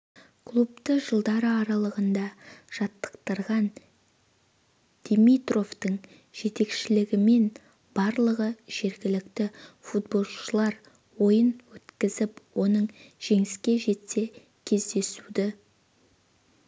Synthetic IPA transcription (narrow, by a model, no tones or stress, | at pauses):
kʰlˠup̚t̪əʒəlˠd̪ɑɾəɑɾɑlˠəʁənd̪ɑʒ̥ɑt̪ːə̥qt̪əɾʁɑn | d̪̥emijt̪ro̞ft̪əɴ | ʒ̥e̞t̪e̞kʃɪlɪɡʲɪme̞n | b̥ɑɾlˠəʁəʒ̥e̞ɾɡʲɪlɪkt̪ɪfut̪̚bo̞lˠʃəlˠɑɾ | wo̞jənwɵt̪kʲɪzɪpwo̞nəɴʒ̥e̞ŋɪskʲe̞ʒe̞t̪se̞ | kʲʰe̞zd̪e̞sud̪ɪ